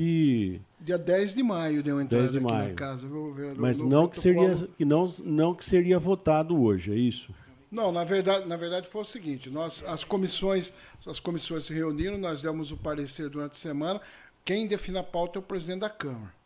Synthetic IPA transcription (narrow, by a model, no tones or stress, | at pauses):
ɪ | d͡ʒ̪iɐd̪ɛjzd̪ɪmajʊd̪ewẽnd̪ɛɾzd̪ɪmia̰jʊ̰kazɐvewɡoveɾjad̪omɐznɐ̃w̃kɪseɾiɐkɪnɐ̃w̃nɐ̃w̃kɪ̥seɾiɐvot̪ad̪ʊoʒɪɛisʊ | nɐ̃w̃nɐveɾd̪ad͡ʒɪnɐveɾd̪ad͡ʒɪfojʊsɪɡĩnt͡ʃɪnɔzɐskõmisõj̃s | ɐskõmisõj̃sɪheuniɾɐ̃w̃nɔzd̪ẽmʊzʊpaɾeseɾd̪uɾɐ̃nt̪ɪ̥semɐ̃nɐ | kẽj̃d̪efĩnɐpawt̪ɛʊpɾezid̪ẽt̪ɪd̪akɐ̃mɐɾɐ